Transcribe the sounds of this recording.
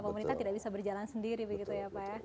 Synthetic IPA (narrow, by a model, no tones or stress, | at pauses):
pəməɾint̪at̪idaʔ̚bisabərd͡ʒalansəndiɾibəɡit̪ujaːpaja